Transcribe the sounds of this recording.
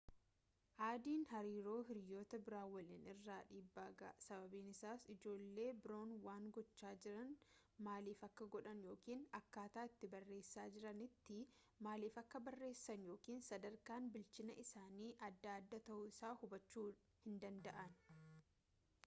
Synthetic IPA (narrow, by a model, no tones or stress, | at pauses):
ʔaːd̪iːnhɐɾiːɾo̞ːɦɪɾjo̞ːt̪ɐbɪɾaːwɐlɪnɪrːaːᶑiːbːaːɡɐ̰ːsɐbɐbiːnɪsaːsɪd͡ʒo̞ːlːe̞ːbɪɾo̞ːnwaːŋɡɔt͡ʃːaːd͡ʒɪɾɐnmaːliːfɐkːɐɡɔᶑɐnjo̞ːkiːnɐkːaːt̪aːɪt̪ːɪbɐrːe̞ːsːaːd͡ʒɪɾɐnɪt̪ːɪ | maːliːfɐkːɐbɐrːe̞ːsːɐnjo̞ːkiːnsɐd̪ɐɾkaːnbɪlt͡ʃɪnɐʔɪsaːniːʔɐd̪ːaːd̪ːɐt̪ɐʔʊɪsaːhʊbɐt͡ʃːuː | hɪnd̪ɐnd̪ɐʔɐn